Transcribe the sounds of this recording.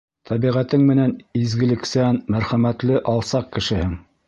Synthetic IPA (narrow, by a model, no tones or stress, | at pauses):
t̪ʰæβiʁæt̪ɘŋmɘ̆nænizɡɘ̆lɘ̆ksænmæɾχæmæt̪lɘʔɑlˠsɑq̚kɘ̆ʃɘ̆hɘŋ